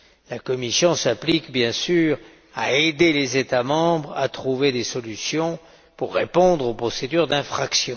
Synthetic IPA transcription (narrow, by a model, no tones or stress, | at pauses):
lakɔmisjɔ̃saplikbjɛ̃syʁ | aed̪elezet̪amɑ̃bʁa̰t̪χuved̪esɔlysjɔ̃ | puʁːepɔ̃d̪ʁopχɔsed̪yʁd̪ɛ̃fχaksjɔ̃